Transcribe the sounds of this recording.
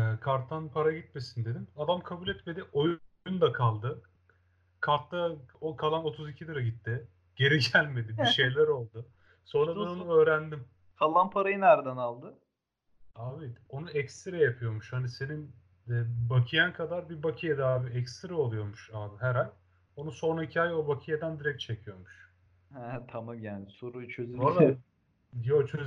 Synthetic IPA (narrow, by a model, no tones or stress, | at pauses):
ɛkʰaɾt̪ʰːanpʰaɾaɟit̪me̞sind̪e̞d̪imad̪amkʰabuːlʲɛt̪me̞d̪io̞j | und̪akʰalˠd̪ɯ | kʰalt̪lakʰalˠano̞t̪ʰuzicʰid̪ɯɾaɟit̪ʰːɪ | ɟ̥e̞ɾiɟælʲme̞d̪ɪbiʃe̞jlʲæɾo̞lˠd̪ʊ | so̞nɾad̪anonuø̞ːɾænd̪im | kʰalˠːanpʰaɾajɯnæɾd̪ænalˠd̪ɯ | aːbio̞nuɛcst̪ɾɛjapʰɯjo̞ɾmuʃhanise̞nin | ɛbakʰɯjankʰad̪aɾbibakʰɯjad̪aːbiɛcst̪ɾɛo̞lˠujo̞ɾmuʃaːɦæɾalʲ | o̞nuso̞naicʰaːjo̞bakʰɯjad̪ænd̪iɾɛc̪̚t͡ʃʰe̞cʰijo̞ɾmuʃ | hɛt̪ʰamamjaːnɪsoɾujt͡ʃʰøzolˠ | jot͡ʃʰøz